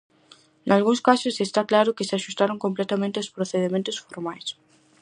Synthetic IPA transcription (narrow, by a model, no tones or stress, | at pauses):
nʔalɣuŋskasʊsest̪aklaɾʊkɪseaʃust̪aɾoŋkomplɛt̪amẽnt̪eospɾoθeðemẽnt̪ʊsfoɾmajs